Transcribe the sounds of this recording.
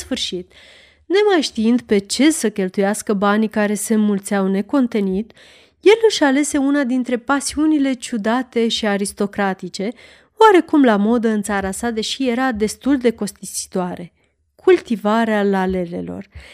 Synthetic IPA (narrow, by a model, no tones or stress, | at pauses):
sfɨrʃit̪ | ne̞majʃt̪iɨnd̪pe̞t͡ʃe̞səkʲe̞lt̪ujaskəbanikaɾe̞se̞ɨnmult̪seawne̞ko̞nt̪e̞nit̪ | je̞lɨʃale̞se̞unad̪int̪ɾe̞pasiunile̞t͡ʃud̪at̪e̞ʃiaɾist̪o̞kɾat̪it͡ʃe̞ | waɾe̞kumlamo̞d̪əɨnt̪saɾasad̪e̞ʃije̞ɾad̪e̞st̪uld̪e̞ko̞st̪isi̥t̪oaɾe̞ | kʰult̪ivaɾealale̞ɾe̞̰lo̞̰r